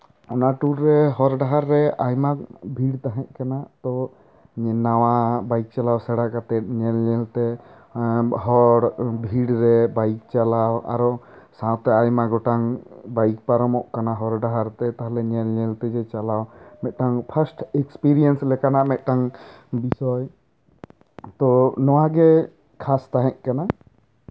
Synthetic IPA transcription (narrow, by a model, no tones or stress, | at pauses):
ɔnaʈuɾːɛɦɔɾɖaɦaɾːɛajmabʱiɽt̪aɦɛ̃ʔ̚kanaʔt̪ɔ | ɲɛnawabajk̚t͡ʃalawsɛɽaʔkat̪ɛɲɛlɲɛlt̪ɛ | ɦɔɽbʱiɽɾɛbajk̚t͡ʃalawa̰ɾɔsãwt̪ɛajmaɡɔʈaŋbajk̚paɾɔmɔʔkanaɦɔɾɖaɦaɾt̪ɛt̪aɦalɛɲɛlɲɛlt̪ɛd͡ʒɛt͡ʃalawmɛt̪̚ʈaŋpʰasʈɛkspiɾiɛnslɛkanamɛt̪̚ˀʈaŋbisɔj | t̪ɔnɔwaɡɛ | kʰast̪aɦɛ̃ʔ̚kana